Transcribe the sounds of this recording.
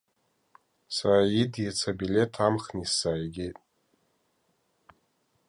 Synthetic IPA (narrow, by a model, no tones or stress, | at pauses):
saɾajidjat͡sʰabilʲe̞tʰamχnisaːjɡʲɪtʼ